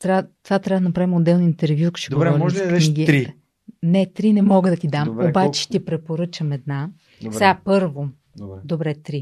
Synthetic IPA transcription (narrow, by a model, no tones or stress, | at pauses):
t̪ɾat̪ovat̪ɾʲavəd̪ənɐpɾavimod̪ːɛlˠnoint̪ɛɾvjukʃɛɡd̪oɡɾɔɾiɔʒk̪ɛniɡiɾi | nɛt̪ɾinɛmɔɡəd̪ɐt̪id̪amobat͡ʃɛ̥ʃt̪ɛpɾɛpoɾɤt͡ʃəmɛd̪na | sɛɡapɤɾvo | ɛd̪obɾɛt̪ɾi